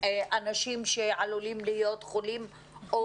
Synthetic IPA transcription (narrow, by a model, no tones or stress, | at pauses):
ʔanaʃimʃeʕalulimlijo̞t̪χolim | o